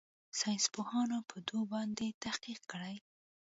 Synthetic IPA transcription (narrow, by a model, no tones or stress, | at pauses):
sɑjnspohɑnopʰəd̪obɑnd̪et̪ahqiq̚kəɽaj